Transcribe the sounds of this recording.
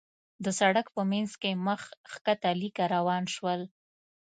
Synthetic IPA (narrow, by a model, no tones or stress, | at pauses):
d̪əsaɽakpəmanzkeməxxkat̪alikaɾawɑnʃwəl